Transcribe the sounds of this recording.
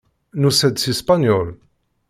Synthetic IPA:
nusæd̪sispanjɔl

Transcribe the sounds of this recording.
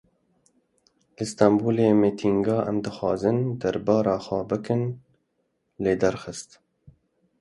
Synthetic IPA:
lɨst̪ɑmbuːlemeːt̪ʰiŋɡɑːʔɛmd̪ɨxwɑːzɨnd̪æɾbɑːɾɑːxʷɑːbɨkɨn | leːd̪æɾxɨst̪

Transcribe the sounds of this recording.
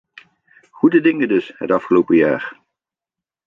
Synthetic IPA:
χudədɪŋədɵsɦə̰tɑfχəlowpəjaːɹ

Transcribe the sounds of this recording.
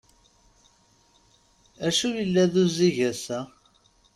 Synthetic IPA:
æʃujəlːæðuziʝæsæ

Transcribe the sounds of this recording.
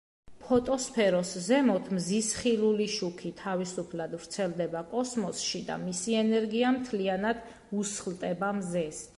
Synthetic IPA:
pʰɔt̪ʼɔspʰɛɾɔszɛmɔt̪ʰmzisχiluliʃukʰit̪ʰavisupʰlad̪vɾt̪sʰɛlˠd̪ɛbakʼɔsmɔsʃid̪a̰misiɛnɛɾɡiamt̪ʰlianad̪̥ | usχlˠt̪ʼɛbamzɛs

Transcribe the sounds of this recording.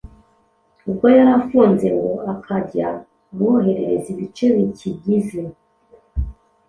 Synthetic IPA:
ub̚ɡojaɾafuːnze̞ŋɡo̞akʰaɟa | muoɦe̞ɾe̞ɾeziβit͡ʃe̞βicʰiɟize̞

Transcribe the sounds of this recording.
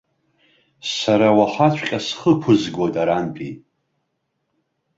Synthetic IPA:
saɾawaħʷat͡ʃʷʰʼqʲʼasχəkʷʰʊzɡʷotʼaɾanpʼi

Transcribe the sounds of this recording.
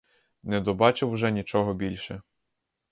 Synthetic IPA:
nɛd̪ɔbɑt͡ʃɪwʒɛnʲit͡ʃɔɦɔbʲilʲʃɛ

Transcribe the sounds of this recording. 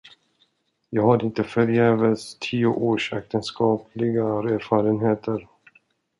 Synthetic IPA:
jɑːɡhaɾɪnt̪əfœɾjɛːvəst̪ʰiːʊʔoːʂɛ̰k̚t̪ənskɑːpʰlɪɡaɾɛɾfɑːɾənɦeːt̪ʰəɾ

